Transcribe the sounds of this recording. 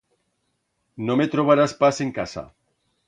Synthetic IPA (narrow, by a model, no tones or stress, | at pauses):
nomet̪ɾoβaɾaspaseŋkasa̰